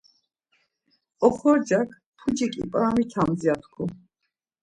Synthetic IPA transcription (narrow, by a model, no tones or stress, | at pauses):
ɔχɔɾd͡ʒakʰ | pʰud͡ʒikʼḭpʼɾamit̪ʰamd̪ziat̪ʰkʰɔ